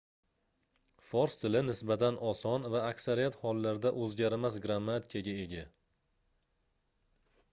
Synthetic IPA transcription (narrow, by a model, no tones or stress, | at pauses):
fɒɾst̪ʰɪlɪnɪsbat̪ʰanʔɒsɒnvaːkʲsaɾijat̪hɒlːaɾd̪aʔɵzɡʲaɾmasɡɾamːat̪ʰɪ̥kʰaɡʲaeɡʲa